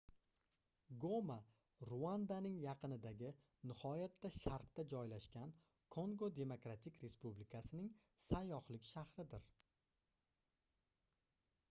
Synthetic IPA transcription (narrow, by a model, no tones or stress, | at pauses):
ɡo̞ma | ɾuand̪anɪŋjɑqʰɨnɪd̪aɡʲɪ | nɪhɒjat̪ʰːaʃaɾqt̪ad͡ʒɒjlaʃkʲan | kʰo̞ŋɡod̪e̞mokɾat̪ʰɪkʲʰɾe̞spublɪkʰasɪnɪŋ | sajːɒχlɪkʲʃahɾɪd̪ɪɾ